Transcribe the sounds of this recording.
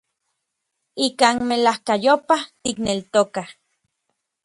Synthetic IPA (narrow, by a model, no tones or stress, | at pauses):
ikaːnmelahkajopaht̪iknelt̪okah